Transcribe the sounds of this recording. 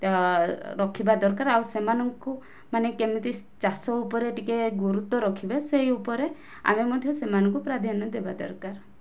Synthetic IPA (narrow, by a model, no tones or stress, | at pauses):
ɾɔkʰibad̪ɔɾkaɾawsemanɔŋku | manekemit̪is | t͡ʃasɔupɔɾeʈikeɡuɾut̪ɔɾɔkʰibeseɦiupɔɾe | a̰memɔd̪ʱjɔsemanɔŋkupɾad̪ʱjanɔd̪eba̰d̪ɔ̰ɾkaɾ